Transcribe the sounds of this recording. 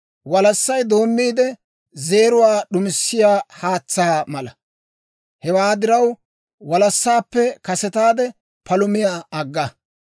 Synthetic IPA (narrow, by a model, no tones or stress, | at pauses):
wɐlɐsːɐjd̪o̞ːmːiːd̪ɛ | ze̞ːɾʊwaːɗʊmɪsːɪjaːhaːt͡sːaːmɐlɐ | hɛwaːd̪ɪɾɐw | wɐlɐsːaːpːɛkɐsɛt̪aːd̪ɛ | pɐlʊmɪjaːɐɡːɐ